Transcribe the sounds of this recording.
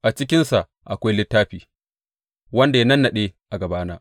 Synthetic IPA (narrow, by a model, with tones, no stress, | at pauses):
ʔa˨t͡ʃɪ˦k̬ʲɪ˦nsa˨ʔ | ʔa˨kʷa˦jlɪ˦tːaː˦ɸiː˨ | wɐ˦nda˨ja˦nɐ˦nːa˨ɗeː˦ʔa˨ɡɐ˨baː˦naː˦